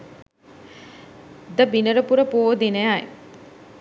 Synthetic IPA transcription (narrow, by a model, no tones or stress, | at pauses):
d̪əbinəɾəpuɾəpooːd̪inəjaj